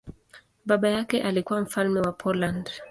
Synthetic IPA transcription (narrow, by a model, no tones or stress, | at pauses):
ɓaɓajakɛʔalikuwam̩falmɛwapʰɔland